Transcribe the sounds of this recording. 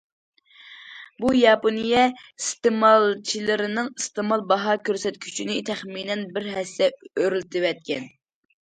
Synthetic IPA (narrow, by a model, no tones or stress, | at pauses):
bujɑponijɛst̪ɨmɑlˠt͡ʃʰilɪɾɪnɨŋist̪ɨmɑlˠbɑɦɑkʲøɾsɛt̪kʲʰy̥t͡ʃʰinɪt̪ʰɛχminɛnbɪɾɦɛsːɛøɾylt̪ʰɪwɛt̪̚kʲʰɛn